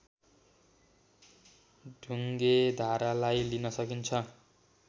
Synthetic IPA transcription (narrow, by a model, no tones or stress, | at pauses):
ɖʱuŋɡed̪ʱaɾalajlinʌsʌkint͡sʰʌ